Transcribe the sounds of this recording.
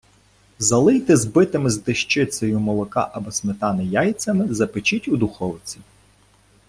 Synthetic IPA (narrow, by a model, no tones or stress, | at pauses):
zɐlˠɪjt̪ɪzbɪt̪ɪmɪzd̪ɪʃt͡ʃɪsɔjʊmɔlˠɔkɑ̰ʔɐbɔsmɪt̪ɑnɪjɑj̪t͡s̪ʲɐmɪzɐpɪt͡ʃitʲud̪ʊxɔwt͡sʲi